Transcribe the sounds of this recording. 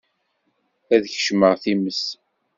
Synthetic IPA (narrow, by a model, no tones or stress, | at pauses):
æðçə̥ʃməʁθiməs